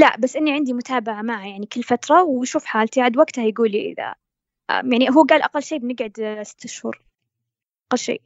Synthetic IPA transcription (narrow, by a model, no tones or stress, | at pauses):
laʔbasːʔɪnːiʕɪnd̪imʊt̪ʰaːbaʕamaʕajaʕnikɪlːfat̪ɾˤɑwʃuːfħaːlt̪iʕad̪waɡt̪ahajɡuːliʔɪ̰ða̰ | jaʕniɦuːɡaːlʔaqalːʃeːbɪnɪɡʕʊd̪sɪ̥t̪ːɪʃhṵːɾˤ | ʔaqalːʃḛː